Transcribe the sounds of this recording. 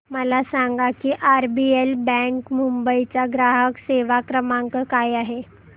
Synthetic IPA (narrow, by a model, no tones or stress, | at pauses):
məlasaŋɡakiːʔaɾbielbɛ̃ŋkmumbəit͡ɕaɡɾaɦəkseʋakɾəmaŋkəkajaɦe